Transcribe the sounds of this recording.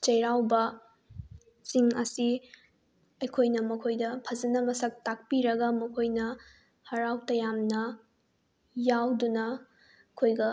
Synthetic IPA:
t͡ʃɐjɾawbɐ | siŋɐsi | ɐjkʰojnɐmɐkʰojdɐpʰɐzɐnɐmɐsɐk̚tak̚piɾɐɡɐmɐkʰojnɐ | hɐɾawtɐjamnɐ | jawdunɐ | kʰojɡɐ

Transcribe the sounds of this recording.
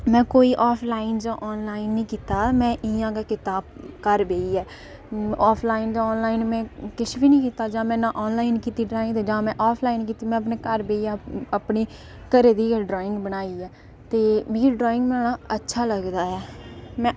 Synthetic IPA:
mɛ̃ːkoːiːʔɔːpʰlaːɪnd͡ʒãːʔɔːnlaːɪnːĩːkiːt̪aːmɛ̃ːʔɪãːkaːkɪt̪aːbkəɾbeːiɛː | aːpʰlaːɪnd͡ʒãːɔːnlaːinmɛ̃ːkɪsbiːnĩːkiːt̪aːd͡ʒãːmɛ̃ːnãːʔɔːnlaːɪnkiːt̪iːɖɾaːɪ̃ŋɡd̪ːd͡ʒãːmɛ̃ːʔɔːpʰlaːɪnkiːt̪iːmɛ̃ːəp̬neːkəɾbeːiaːəpneː | kəɾeːd̪iːɖɾoːɪ̃ŋɡbəɽ̃aːiːɛː | t̪eːmeːɾiɖɾɔːɪ̃ŋɡbaːɳaːətːʃʰaːləɡd̪aːɛːmɛ̃ː

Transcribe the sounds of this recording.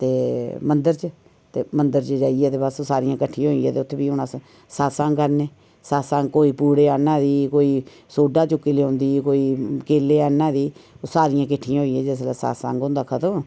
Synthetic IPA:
t̪eːmənd̪əɾt͡ʃə | t̪eːmənd̪əɾt͡ʃəd͡ʒaːijɛːt̪eːbassaːɾɪjãːkəʈʰːijãːɦoːiãːt̪eːʊt̪ʰːeːbiːʊnas | saːsãːŋkəɾneː | saːsãːŋkoːiːpuːɽeːaːnãːd̪iːkoːiː | soːɖaːt͡ʃʊkːiːleːõːnd̪iːkoːiːkeːleːaːnãːd̪iːsaːɾɪjãːk̬ɪʈʰːijãːɦoːiːɛ̃ːd͡ʒɛːs̬laːsa̰ːsã̰ːŋɡõːnd̪aːkʰət̪əm

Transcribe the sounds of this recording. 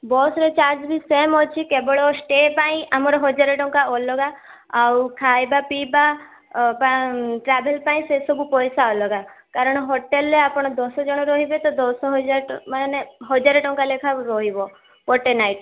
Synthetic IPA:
bɔsɾet͡ʃaɾd͡ʒbisemɔt͡ʃʰikebɔɭɔsʈepaĩʔamɔɾɔɦɔd͡ʒaɾeʈɔŋkaɔlɔɡaː | wkʰajbapiba | paʈɾabelpaĩsesɔbupɔjsaɔlɔɡakaɾɔɽ̃ɔɦɔʈelːeapɔɽ̃ɔd̪ɔsɔd͡ʒɔɽ̃ɔɾɔɦibet̪ɔd̪ɔsɔɦɔd͡ʒaɾmaneɦɔd͡ʒaɾeʈɔŋkalekʰaɾɔɦibɔ | pɔʈenajʈ

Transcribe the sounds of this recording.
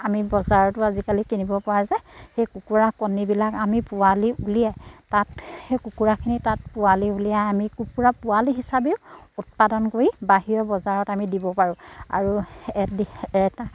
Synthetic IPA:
amibɔzaɹɔtʊazikalikinibɔpɔazɛxejkukuɹakɔnibilakamipʊaliʔulijɛtatekukuɹakʰinitat̚pʊaliulijaamikukuɹapʊaliɦisabeʊut̚padɔnkoɹibaɦijɔbɔzaɹɔtamidibɔpaɹʊ̃a̰ɹuɛdɛta

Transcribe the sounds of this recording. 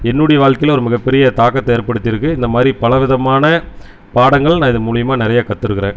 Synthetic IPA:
ɛnːʊɽɐjɐʋaːɻkɐɪlɔɾɯmɪɣɐpːɛɾɪjɐt̪aːkːɐt̪ːeːɐɾpɐɽɯt̪ːɪɾɯkːɯɪnd̪ɐmaːðɾipɐlɐʋɪðɐmaːnɐ | paːɽɐŋɡɐɭnaːɪðɯmʊɻɪjɐmaːnɪɾɐjaːkɐt̪ːɯɾɯkːɪɾḛ̃ːn

